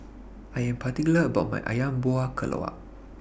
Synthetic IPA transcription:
ajampat̪ikləʔbama̰jʔa̰jamboakəlʔo̰a̰ʔ

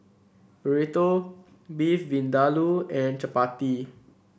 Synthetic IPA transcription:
bəɹet̪o | bifvĩndaluɛ̃nt͡ʃəpat̪i

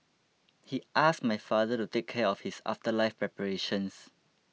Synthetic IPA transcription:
hiʔastmajfadətutekʰːɛɔfhisa̰ftəlaɪfpɹɛpəɹeʃə̃ns

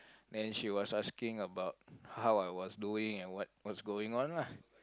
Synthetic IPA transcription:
dɛ̃nʃiwɔsaskɪ̃ŋəbaʊt̚hawajwɔsduɪ̃ŋɛ̃nwɔt̚wɔtsɡoɪ̃ŋɔ̃nlah

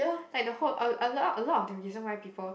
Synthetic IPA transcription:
əlajk̚dəholʔəəlɔəlɔtɔfdɛ̃ɹizə̃nwajpiːpəl

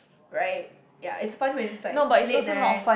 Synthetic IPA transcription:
ɹaɪt̚ | ja̰ʔɪtsfãnwɛ̃nɪsanobatɪosonɔtfã

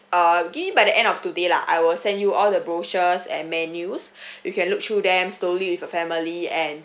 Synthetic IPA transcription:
ʌɡiṽbajdəʔɛ̃ndɔftudela̰ʔa̰jwɪlsɛ̃njuʔɔldəbɹot͡ʃəsɛ̰̃nmɛnjus | jukʰɛ̃nluk̚tʰɹudɛ̃msloliwifəfɛmiliɛ̃n

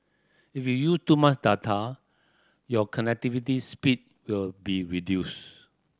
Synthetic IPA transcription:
ifjujustumasdatʰa | jɔkʰɔ̃nɛk̚tivitispit̚ | wilbiɹidjus

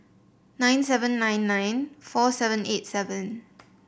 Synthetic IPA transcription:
nãɪ̃nsɛvə̃nːãj̃nːãj̃nfɔsɛvə̃nʔet̚sɛvə̃n

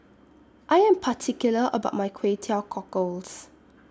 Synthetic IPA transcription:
ʔajɛ̃mpʰatʰikjuləʔə̰baʊt̚majkʰwetʰɛlkʰɔkols

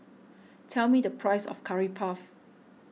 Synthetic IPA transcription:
tʰɛlmidəpʰɹaɪsɔ̰fkʰaɹipʰaf

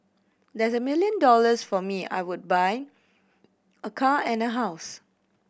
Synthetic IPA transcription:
dɛsəmiljə̃ndɔləsfɔmia̰jwud̚baj | əkʰaɛ̃nəɦaʊs

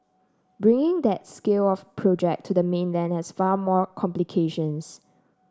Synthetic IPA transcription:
bɹɪ̃ŋɪ̃ŋd̪ɛt̚skelɔfpʰɹod͡ʒɛ̰k̚tʰudəmẽnlɛ̃nhɛsfamɔkʰɔ̃mplikʰeʃə̃ns

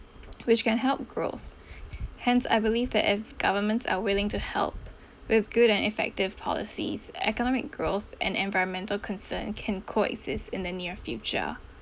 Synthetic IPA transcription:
wɪt͡ʃkɛ̃nɦɛlˠp̚ɡ̥ɹo̰θ | hɛ̃nsa̰ɪbɪliːvðɛ̰tɪfɡ̥ʌvəmə̃ntsə̰wɪlɪ̃ŋtʰuhɛ̰lˠp | wɪðɡʊɾɛ̃nɪfɛ̰k̚tɪv̥pʰɔ̰lɪ̰sḭz̥ɛ̰kənɔmɪ̰k̚ɡ̥ɹoθʔɛ̰̃nɛ̃nvaɪɹə̃nmɛ̃ntəl̩ˠkʰə̃nsɜ̰̃nkʰɛ̃nkʰoɛ̰ksɪstɪ̃nðəniɹfjʉt͡ʃə̰

